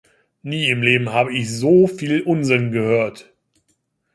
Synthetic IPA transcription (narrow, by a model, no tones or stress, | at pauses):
niːɪmleːbm̩haːbəɪçzoːfiːlʔʊnzɪnɡəhøːɐt